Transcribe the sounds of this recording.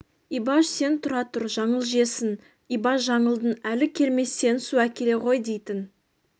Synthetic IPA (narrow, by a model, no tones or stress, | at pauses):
ibɑʃse̞nt̪ʰʊɾɑt̪ʊɾʒɑɴəlˠʒe̞sɪn | ibɑʃʒɑɴəlˠd̪ənælɪkʲʰe̞ɾme̞sːe̞nsuækʲʰe̞ɾe̞ʁo̞jd̪e̞jt̪ɪn